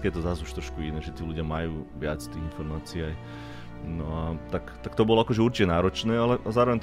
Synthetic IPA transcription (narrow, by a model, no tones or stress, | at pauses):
kjɛt̪ɔzazuʃt̪ɾɔʃkuinɛːʒɛt̪iːluɟɪamajuːʋɪat͡st̪iːinfɔɾmaːt͡siɛaj | nɔat̪akt̪akt̪ɔbɔlɔakɔʒɛuɾt͡ʃicɛnaːɾɔt͡ʃnɛːalɛʔazaːɾɔʋɛɲt̪